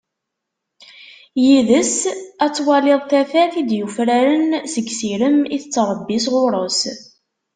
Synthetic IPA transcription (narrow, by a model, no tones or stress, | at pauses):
jiðəsæt͡sːwɑlɪðˤθæfæθid̪jufɾæɾənsəɡsiɾəmiθət͡sːɾˤəbːisʁʊɾˤəs